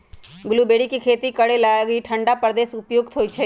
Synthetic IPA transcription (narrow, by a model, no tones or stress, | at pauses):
ɡʊlubeːɽikikʰeːt̪ikəɽelaɡiʈʰə̃ɳɖapəɾd̪eːsʊpjoːɡt̪ɦoːit͡ʃʰɛ